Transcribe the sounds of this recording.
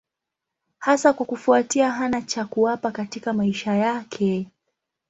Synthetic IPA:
hasakwakufuatiaɦanat͡ʃakuwapakatikamaiʃajakʰɛ

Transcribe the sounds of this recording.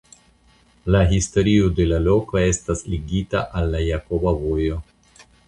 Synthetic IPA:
laɦisto̞ɾiode̞lalo̞koe̞stasliɡitaʔalːajako̞bavo̞jo̞

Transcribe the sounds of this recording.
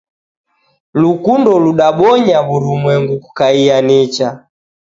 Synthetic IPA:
lukundɔluɗaɓɔɲaβuɾumwɛŋɡuku̥kaianit͡ʃa

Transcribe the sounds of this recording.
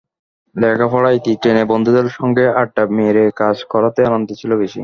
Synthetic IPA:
lɛkʰafɔɽajt̪iʈɾenebond̪ʱud̪elʃɔŋɡeaʈ̚ʈameɾekad͡ʑkʰɔɾat̪eanont̪et͡ɕʰilobeʃḭ

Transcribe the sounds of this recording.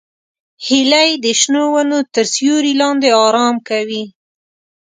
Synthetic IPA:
hilajd̪əʃnowanot̪əɾsjuɾilɑnd̪eɑɾɑmkawi

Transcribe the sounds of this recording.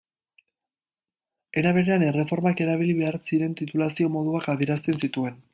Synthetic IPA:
e̞ɾaβ̞e̞ɾe̞anere̞fo̞ɾmake̞ɾaβ̞iliβe̞aɾt͡siɾe̞nt̪it̪ulasio̞mo̞ðuakaðieɾast̪e̞nsit̪ue̞n

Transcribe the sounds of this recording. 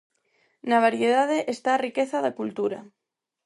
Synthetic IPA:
naβ̞aɾjeðað̞eʔest̪aːrikeθaðakult̪uɾa̰

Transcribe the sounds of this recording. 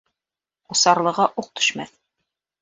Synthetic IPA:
ŏsɑɾlˠɤ̆ʁɑʔuq̚t̪ʰɵ̥̆ʃmæ̰θ

